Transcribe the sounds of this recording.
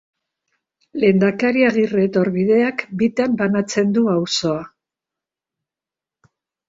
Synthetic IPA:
le̞nd̪akaɾiaɣire̞t̪o̞ɾβiðe̞akbit̪ambanat͡se̞nd̪uawso̞a

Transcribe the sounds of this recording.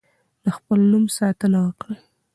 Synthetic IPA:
ləxpəlnumsɑt̪ənawəkɽa

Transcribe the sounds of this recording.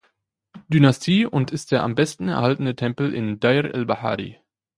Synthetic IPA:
d̥ynastʰiːʊntɪst̚d̥eːɐʔambɛstn̩ɛ̰ɐɦaltn̩ətʰɛmpl̩ʔɪ̰ndaɪʁɛ̰lbaħa̰ːʁḭ

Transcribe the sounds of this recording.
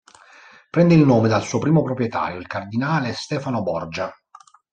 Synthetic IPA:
pɾɛnd̪eilnoːmed̪alsuːopɾiːmopɾopɾjet̪a̰ːɾjoilkard̪inaːlest̪ɛːfanobɔrd͡ʒa

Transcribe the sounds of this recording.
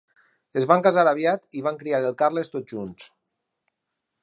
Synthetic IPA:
ezβaŋkazaɾaβ̞jat̪iβ̞aŋkɾiaɾelˠkarlest̪ot̪̚ʒuns

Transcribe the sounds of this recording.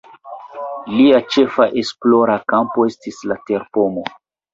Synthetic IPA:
liat͡ʃe̞faʔe̞splo̞ɾakampo̞e̞stislate̞ɾpo̞mo̞

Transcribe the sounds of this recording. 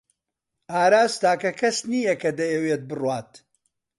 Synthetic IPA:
aːɾaːst̪aːkɐkʰɐsniːjɐkɐd̪ɐjɛweːt̪̚bɨrwaːt̪

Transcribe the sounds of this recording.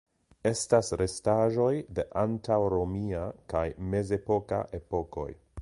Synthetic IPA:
e̞stasɾe̞staʒo̞jde̞ʔantawɾo̞miakajme̞ze̞po̞ka̰ʔe̞po̞ko̞̰j

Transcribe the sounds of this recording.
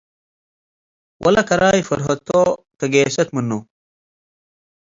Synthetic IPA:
wʔɐ̰lɐkɐɾaːjfɐɾɦɐt̪ʰːo | kɐɡeːsɐt̪mɨnːo

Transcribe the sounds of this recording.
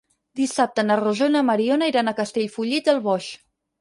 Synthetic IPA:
d̪isap̚t̪ənəruʒonəməɾionəiɾanəkəst̪eʎfuʎiəlˠβɔʃ

